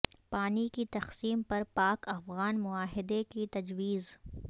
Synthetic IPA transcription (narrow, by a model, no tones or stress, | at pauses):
paːnikit̪ɐxsiːmpɐɾpaːkɐfɣaːnmʊaːɦɪd̪ekit̪ɐd͡ʒwiːz